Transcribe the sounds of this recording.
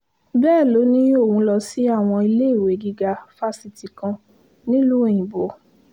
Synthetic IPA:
bɛː˦˨lo˨˦nĩ˦o˦˨wũ˧˦lɔ˧si˨˦a˦˨w̃ɔ̃˧i˧le˦i˦˨we˨˦˨ɡi˦ɡa˧fa˦˨si˧ti˨kã˧ | nĩ˦lu˦e˦˨j̃ĩ˨bo˨˦

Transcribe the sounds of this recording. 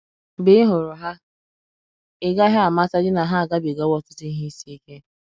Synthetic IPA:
bɪ˦ɪ˦ɦʊ˨ɾʊ˨ɦa˦ | ɪ˦ɡa˦ɦa˦a˨ma˦ta˦d͡ʒɪ˦na˨ɦa˦a˨ɡa˦bi˨ɡa˦wɔ˦tʊ̥˦tʊ˦i˦ɦi˦si˦i˦ke˦

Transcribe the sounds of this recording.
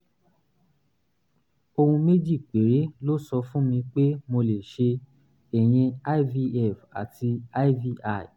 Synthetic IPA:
o˧hũ˧me˦d͡ʒi˦˨k͡pe˨˦ɾe˨˦lo˦sɔ˧fũ˦mĩ˧k͡pe˦mo˧le˨ʃe˧ | ɛ˨j̃ɛ̃˧a˦vi˧ɛ˦˨fa̰˨tʰi˧a˦vi˧ʔa˦˨i˨

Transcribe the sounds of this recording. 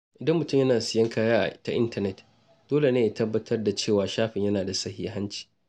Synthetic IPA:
ʔɪ˨dɐ˦mːʊ˨tʊ˦mjɐ˦naː˨sɪ˨jɐ˦ŋkʰaː˦jaː˦ʔa̰˨ʔta˦ʔɪ̰˦ntɐ˦nɛ˦t | d̥oː˦le˨neː˦ʔa˨tɐ˦bːɐ˦tʰɐ˦rda˨t͡ʃeː˦˨waː˨ʃaː˦ɸɪ˨ɲjɐ˦naː˨da˨sɐ˦hḭː˦ɦa˦nt͡ʃi̥ː˨

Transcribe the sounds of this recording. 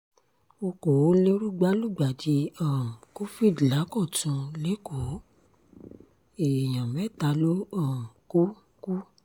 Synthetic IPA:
o˧ko˨˦le˦ɾu˦ɡ͡ba˦lu˦˨ɡ͡ba˨di˧˦a˨m̩˨ko˦fi˦˨dla˨˦kɔ˦˨tũ˧le˦ko˨˦ | e˨j̃ã˨mɛ˦˨ta˧lo˦ɔ˦˨m̩˨ku˦ | ku˦

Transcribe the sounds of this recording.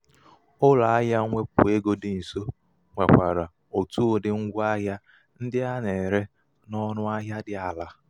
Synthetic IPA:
ʊ˦la˨a˦ɦja˦ŋʷe˦pʊ̰˨e˦ɡo˦dɪ˨n̩˨so˦ | ŋa˨k͡pʷa˨ɾa˨ | o˨tu˦o˨dɪ˦ŋ̩˦ɡʷa˦ɦja˦ | n̩˦dɪ˦a˦ne˨ɾe˦ | nɔ˦ɾʊ˦a˦ɦa˦dɪ˦a˨la˦

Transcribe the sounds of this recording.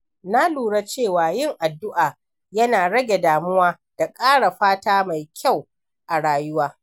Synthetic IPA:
na˦luː˨ɽa˦t͡ʃeː˦˨waː˨jɪ˦ŋʔa˨dːʊ˦ʔaː˨ | jɐ˦naː˨ɽɐ˦ɡʲe˨daː˨mʊ˦waː˦ | d̥a˨kʼaː˦ɽa˨ɸaː˦taː˦ma˨jkʲʰa˦˨w | ʔa˨ɽaː˨jʊ˦waː˦

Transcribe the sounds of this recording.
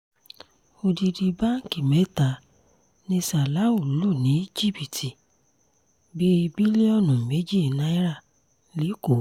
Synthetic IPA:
o˧di˧di˧ba˦ŋ̩˨ki˨mɛ˨˦ta˨ | nĩ˧sa˨la˨˦u˦˨lu˨lo˦˨nĩ˨˦d͡ʒi˦˨bi˨tʰi˨ | bi˦˧bi˦le˦ɔ˦˨nũ˨me˨˦d͡ʒi˦˨nã˨˦i˦ɾa˦˨ | li˨˦ko˨

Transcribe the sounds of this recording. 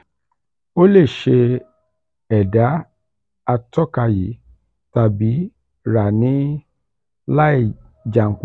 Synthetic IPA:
o˦le˦˨ʃe˧ | ɛ˨da˨˦ | a˧tɔ˦˨ka˧ji˨˦ | ta˨bi˨˦ | ɾa˨nĩ˨˦ | la˦i˦˨ | d͡ʒa˨ŋ̩˨ku˨

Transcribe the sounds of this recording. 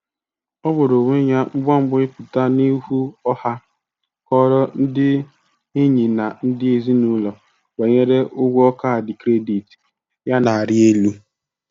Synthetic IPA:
ɔ˦bʊ˨ɾo˨ŋʷe˦ɲa˦ŋ͡m̩˦ɡ͡bɔ˦ŋ͡m̩˦ɡ͡bʊ˦ɪ˦pʊ˨ta˦ni˦hu˦ɔ˦ha˦ | kɔ˦ɾɔ˦n̩˦dɪ˦ | i˦ɲi˨na˨n̩˦dɪ˦e˦zi˦nu˦lɔ˨ | we˨ɲe˦ɾe˦ʔʊ˦ɡʷu˦ɔ˦ka˦˨a˨dɪ˨kɾe˦di˨ti̥˨ | ja˦na˨a˨ɾɪ˦e˦lu˦

